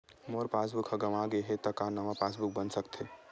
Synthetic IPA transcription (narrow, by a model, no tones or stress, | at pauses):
moːɾpaːs̬bʊkʰhɐɡɐmaɡeɦet̪ɐkaːnɐʋapaːsbʊk̚bɐnsɐkt̪ʰeː